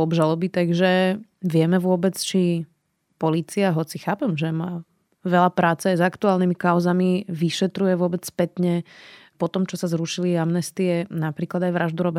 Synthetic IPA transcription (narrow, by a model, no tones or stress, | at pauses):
ɔbʒalɔbit̪aɡʒɛʋɪɛmɛʋʊɔbɛt͡st͡ʃi | pɔliːt͡siaɦɔt͡sixaːpɛmʒɛmaː | ʋɛlapɾaːt͡sɛajzakt̪uaːlnimikaʊzamiʋiʃɛt̪ɾujɛʋʊɔbɛt͡sspɛt̪ɲɛpɔt̪ɔmt͡ʃɔsazɾuʃiliamnɛst̪iɛnapɾiːklad̪ajʋɾaʒd̪uɾɔbɛ